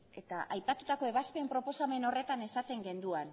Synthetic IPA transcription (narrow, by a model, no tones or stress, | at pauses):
e̞t̪aʔajpat̪ut̪ako̞e̞β̞aspe̞ːmpɾo̞po̞same̞no̞re̞t̪ane̞sat̪e̞ŋɡe̞nd̪uan